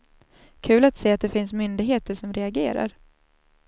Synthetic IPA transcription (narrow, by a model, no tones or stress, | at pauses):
kʰʉ̟ːlat̪seːat̪̚d̪ɛfɪnsmʏnd̪ɪɡɦeːt̪əʂɔmɾɛaɡeːɾa̰ɾ